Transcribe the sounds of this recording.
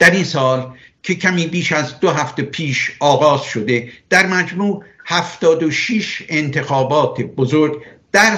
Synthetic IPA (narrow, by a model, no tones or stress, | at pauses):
d̪̥æɾinsɒːl | cʰecʰæmiːbiːʃæzd̪oɦæft̪e̞pʰiːʃɒːɣɒːzʃod̪e̞d̪̥æɾmæd͡ʒmuːhæft̪ɒːd̪oʃiːʃent̪ʰe̞xɒːbɒːt̪ʰebozoɾɡ | d̪̥æɾ